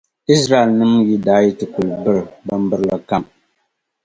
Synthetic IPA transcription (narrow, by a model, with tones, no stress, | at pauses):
i˦sɾa˦˨e˨lnɨ˦mji˦daː˨˦ji˦tɨ˨ku˨lbɨ˦ɾɨ˨ba˦m̩˦bɨ˦ɾla˨ka˦˨m